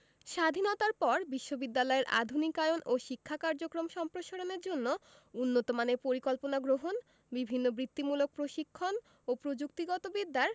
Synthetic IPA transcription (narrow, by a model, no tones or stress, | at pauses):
ʃad̪ʱinɔt̪aɾpɔɾbiʃːobid̪ːalɔeɾʔa̰d̪ʱunikajonʔoʃikʰːakaɾd͡ʑokɾomʃɔmpɾoʃaɾoneɾd͡ʑonːo | unːot̪omanepoɾikɔlponaɡɾoɦon | bibʱinːobɾit̪ːimulok̚pɾoʃikʰːon | opɾod͡ʑuk̚t̪iɡɔt̪obid̪ːaɾ